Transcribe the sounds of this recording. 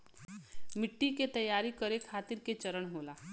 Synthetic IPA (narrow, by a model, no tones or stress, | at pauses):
mɪʈːiket̪ɐjːaːɾikəɾekʰaːt̪ɪɾket͡ʃəɾəɽ̃ɦoːlaː